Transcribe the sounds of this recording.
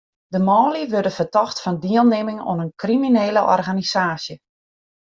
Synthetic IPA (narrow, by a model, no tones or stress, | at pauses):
dəmɔːliʋørdəfətɔxtfɔndiəlˠneːmɪŋo̰nənkrimineːləʔɔ̰rɣanisaːsjə